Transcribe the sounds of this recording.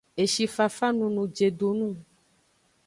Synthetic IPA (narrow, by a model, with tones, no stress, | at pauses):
e˨ʃi˨fa˨fa˦nũ˨nũ˨d͡ʒe˨ɖo˨nũ˦